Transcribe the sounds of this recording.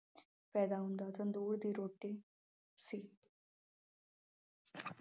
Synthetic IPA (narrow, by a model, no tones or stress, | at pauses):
pɛd̪aũnd̪at̪ənd̪uːɽd̪iːɾoʈːi | si